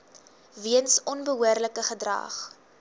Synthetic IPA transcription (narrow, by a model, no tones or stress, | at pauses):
viənsɔnbəɦuərləkəχədrɑ̰ːχ